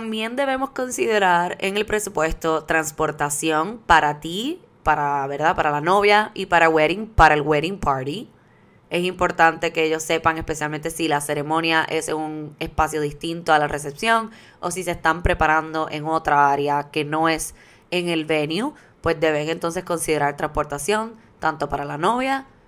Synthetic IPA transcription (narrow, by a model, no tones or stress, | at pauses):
t̪ambje̞nd̪e̞βe̞mo̞sko̞nsiðe̞ɾaɾeŋe̞lpɾe̞supwe̞st̪o̞t̪ɾanspo̞ɾt̪asjo̞ŋpaɾat̪i | paɾaβe̞ɾðapaɾalano̞βjaʔipaɾaweɾiŋpaɾaelweɾiŋpʰaɾɾi | e̞simpo̞ɾt̪ant̪e̞keeʝo̞sːe̞paŋe̞spe̞sjalment̪e̞silase̞ɾe̞mõ̞njaʔe̞seuŋe̞spasjo̞ðist̪int̪o̞alare̞sepsjo̞ŋ | o̞sise̞st̪ampɾe̞paɾand̪o̞ʔe̞ŋo̞t̪ɾaaɾjake̞no̞e̞s | e̞ŋe̞lβe̞nju | pwe̞sd̪e̞βe̞ŋent̪o̞ns̬esko̞nsiðe̞ɾaɾt̪ɾaŋspo̞ɾt̪asjo̞n | t̪ant̪o̞paɾalano̞βja